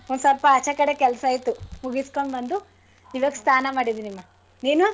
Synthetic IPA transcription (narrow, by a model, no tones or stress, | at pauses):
ond̪sɐlpɐːt͡ʃɐkɐɽekɛlɐsɐjt̪umuɡiskoɳbɐnd̪u | iʋɐɡst̪ʰaːnɐmaːɽid̪iːnimːa | niːnua